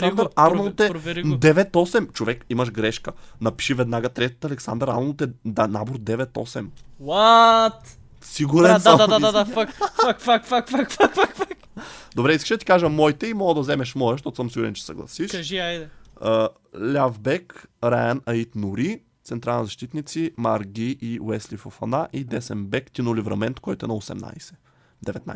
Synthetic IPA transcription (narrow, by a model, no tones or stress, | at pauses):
and̪ɾaɾnolˠt̪ɛd̪ɛvɛt̪ɔsɛmt͡ʃovɛkimɐʃɡɾɛʃkənɐpi̥ʃivɛd̪naɡət̪ɾɛt̪t̪ɐlɛksa̰nd̪əɾa̰nolˠt̪ɛd̪anaboɾd̪ɛvɛt̪ɔ̰sɛmwat̪ | siɡuɾɛnsmd̪aaad̪afakakfakfakfakfakfakfak | d̪obɾɛiskəʃɛd̪ət̪ikaʒəmɔjt̪ɛimɔɡəd̪ɐzɛmɛʃmɔɛʃ̬t̪ɔt̪ʊsəmsiɡʊɾɛnt͡ʃɛ̥sɐ̰ɡlˠɐ̰siʃkɐʒiajd̪ɛə | lʲavbɛkɾajənɐit̪nʊɾi | t̪sɛnt̪ɾalˠnizɐʃt̪it̪nit̪simaɾɡʲiʔiwɛslifofɐnaʔid̪ɛsɛmbɛkt̪inulivɾɐ̰mɛnt̪kɔjt̪ʊɛnɐosɛ̰mna̰jsɛ̥ | d̪ɛvɛt̪na̰